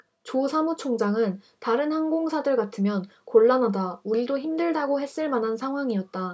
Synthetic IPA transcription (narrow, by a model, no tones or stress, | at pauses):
t͡ɕosʰamut͡ɕʰoŋd͡ʑaŋɯn | taɾɯnhanɡoŋsʰadɯɭɡatʰɯmjʌnkoɭːanɦadauɭidoçimdɯɭdaɡoɦe̞s͈ɯɭmanɦansʰaŋɦwaŋiʌt̚t͈a